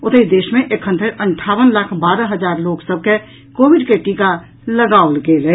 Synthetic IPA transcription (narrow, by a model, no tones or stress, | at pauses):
ʊt̪əid̪eːʃmẽʔekɦənd̪ʱɾeɾʔəɳʈʰaːʋənlakʰbaːɾəɦəd͡ʒaːɾloːksəb̚ʱke | koːbiɖkeʈiːka | ləɡaolɡeːlɛ